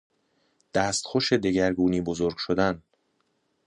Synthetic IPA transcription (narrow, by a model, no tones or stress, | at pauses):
d̪̥æːst̪xoʃe̞d̪e̞ɟæɾɡuːniːbozoːɾɡʃod̪æn